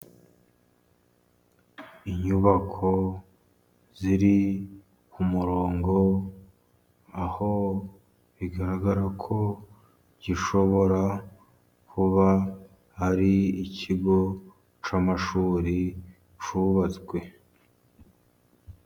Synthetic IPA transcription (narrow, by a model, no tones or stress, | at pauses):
iɲuβakʰo̞ | ziɾi | kumuɾoːŋɡo̞ | aho̞ | βiɡaɾaɡaɾakʰo̞ | ɟiʃo̞βo̞ɾa | kʰuβa | haɾiicʰiɡo̞ | t͡ʃamaʃuːɾi | t͡ʃuβat͡sɡwe̞